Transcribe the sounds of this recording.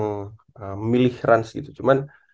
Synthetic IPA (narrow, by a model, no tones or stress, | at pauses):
ŋ | əmilɪhɾʔansɡit̪ut͡ʃuman